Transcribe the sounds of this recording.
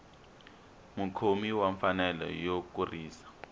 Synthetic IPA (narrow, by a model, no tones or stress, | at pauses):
mukʰomiwaɱfanɛlɔ̰jok̬uriːsḁ